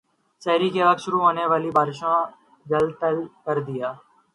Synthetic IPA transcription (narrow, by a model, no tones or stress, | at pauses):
t͡ʃɛːɾiːkeːʋəkʃʊɾuːɦoːneːʋaːliːbʱaːɾʃãː | d͡ʒəlt̪əlkəɾd̪ɪjaː